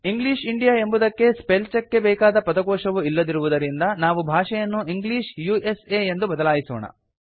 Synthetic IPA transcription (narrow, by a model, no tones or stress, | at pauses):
iŋɡliːʃiɳɖijaːe̞mbud̪ɐkːe̞spelt͡ʃɐkːe̞bɛːkaːd̪ɐpɐd̪ɐɡɔːʂɐʋuilːɐd̪iɾuʋud̪ɐɾind̪ɐnaːʋubʱaːʂɛjɐnːuiŋɡliːʃjueseːend̪ubɐd̪ɐlaːjisɔ̰ːɳɐ̰